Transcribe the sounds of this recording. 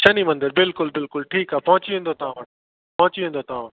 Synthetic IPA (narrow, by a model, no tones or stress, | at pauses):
t͡ɕʰɐnimɐ̃nd̪əɾbɪlkʊlbɪlkʊlʈʰiːkaːpɐɦʊ̃t͡ɕiʋẽːn̆d̪ot̪ɐʋ̤ãʋɐʈ | pɐɦʊ̃t͡ɕiʋẽːn̆d̪ot̪ɐãʋ